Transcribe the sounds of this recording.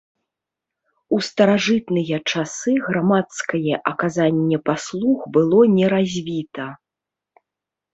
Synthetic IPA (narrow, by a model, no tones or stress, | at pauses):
ust̪ɐɾaʐɨt̪nɨjɐt͡ʂasɨɣɾamat̪skɐjɛʔɐkazanʲːɛpaslˠuɣbɨlˠɔnʲɛɾazʲvʲit̪ɐ